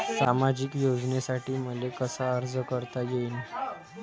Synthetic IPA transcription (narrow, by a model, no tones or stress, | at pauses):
samad͡ʑiːkjod͡znesaʈiːm̤əlekəsaəɾd͡zəkəɾt̪ajein